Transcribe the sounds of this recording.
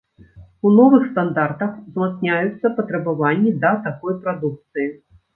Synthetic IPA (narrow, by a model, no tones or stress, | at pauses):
unɔvɨxst̪and̪art̪ɐxzmat̪snʲajut̪sːɐpɐt̪ɾɐbavanʲːid̪ɐt̪akɔjpɾad̪uk̚t̪sɨji